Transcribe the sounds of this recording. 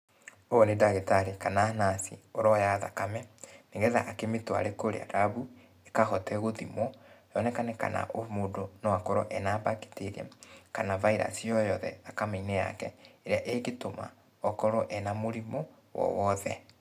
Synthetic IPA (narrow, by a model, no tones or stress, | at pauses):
onedaɣetaɾekanaːnasioɾɔjaða̰kamɛneɣɛða̰ʔakemetwa̰ɾekoɾḛa̰ɾaβu | ekaɣɔtɛɣoðimɔjɔnɛkanɛka̰na̰ʔomodonɔwakɔɾɔ̰ʔɛnaːbake̥teɾɛ̰kanavaiɾa̰siɔjɔðɛakamɛinɛja̰kɛeɾeaʔeɡetoma̰ | ɔkɔɾɔʔɛnamoɾimɔ | wɔ̰wɔðɛ